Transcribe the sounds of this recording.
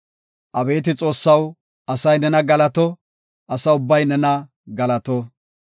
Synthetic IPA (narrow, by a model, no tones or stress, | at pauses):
ʔɐbe̞ːt̪ɪt͡sʼo̞ːsːɐw | ɐsɐjnɛnɐɡɐlɐt̪ɔ | ʔɐsɐʊbːɐjnɛnɐ | ɡɐlɐt̪ɔ